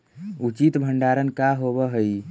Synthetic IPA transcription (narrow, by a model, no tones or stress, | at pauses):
ut͡ʃit̪bʱəɳɖaɾənkaɦoβəɦəj